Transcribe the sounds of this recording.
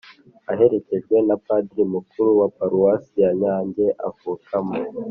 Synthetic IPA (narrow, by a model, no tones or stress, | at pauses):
aɦe̞ɾe̞ce̞ʒɡwe̞napadɾimukuɾuwapaɾuwasijaɲaːɲɟe̞ʔa̰vukʰamo